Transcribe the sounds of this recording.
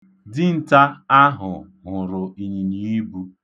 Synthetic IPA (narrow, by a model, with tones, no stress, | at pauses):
dɪ˦n̩˨ta˦a˦ɦʊ̰˨ | ɦʊ˨ɾʊ˨i˨ɲi˨ni˦bu˦